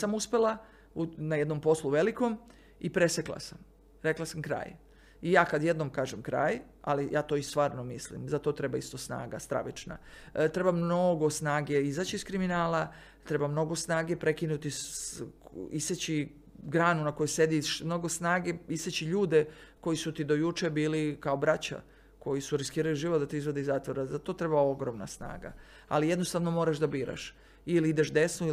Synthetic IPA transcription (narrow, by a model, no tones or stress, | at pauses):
samuspe̞lˠa | unajed̪no̞mpo̞slˠuʋe̞liko̞m | ipɾe̞sekla̰sam | ɾe̞klasamkɾa̰ːj | ijaːkad̪jed̪nomkaːʒemkɾa̰ːj | a̰lijaːt̪o̞ːist̪ʋaːɾno̞mislḭmzat̪o̞t̪ɾe̞baist̪osna̰ːɡa̰st̪ɾa̰ʋḭt͡ʃna̰t̪ɾe̞bamno̞ɡo̞snaːɡe̞izaːt͡ɕiːskɾiminaːla | t̪ɾe̞bamno̞ɡo̞snaːɡe̞pɾe̞kinut̪i | iset͡ɕi | ɡɾaːnunako̞juse̞d̪iʃmno̞ɡo̞snaːɡe̞iset͡ɕiʎuːd̪e̞ko̞jisut̪id̪o̞jut͡ʃebiːlikaobɾat͡ɕa̰ | ko̞jisuɾiskiːɾaliʒiːʋot̪d̪at̪iizʋo̞d̪iizat̪ʋoɾazat̪o̞t̪ɾe̞baoɡɾomna̰sna̰ːɡa̰ | a̰lijed̪no̞st̪aʋno̞mo̞ːɾaʃd̪abiːɾa̰ʃ | iliid̪eʃd̪e̞snu